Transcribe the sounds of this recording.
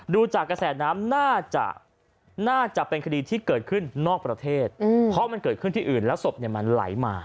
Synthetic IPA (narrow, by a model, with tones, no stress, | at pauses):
duː˧t͡ɕaː˨˩kːɾa˧sɛː˨˩naː˦˥mnaː˥˩t͡ɕa̰˨˩ʔ | naː˥˩t͡ɕa˨˩ʔpe˧nkʰa˧diː˧t̪ʰiː˥˩kɤː˨˩t̪̚kʰɯ˥˩nːɔː˥˩k̚pɾa˧t̪ʰeː˥˩t̪̚ːpʰɔ˦˥ma˧nkɤː˨˩t̪̚kʰɯ˥˩nt̪ʰiː˥˩ʔɯː˨˩nlɛː˦˥wso˨˩p̚ni˥˩ɐma˧nla̰˩˦jmaː˧